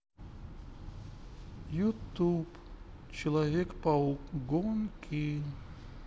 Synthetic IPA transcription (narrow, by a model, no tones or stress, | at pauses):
jut̪up | t͡ɕɪlˠɐvʲɛkpɐɡɔnkʲʰi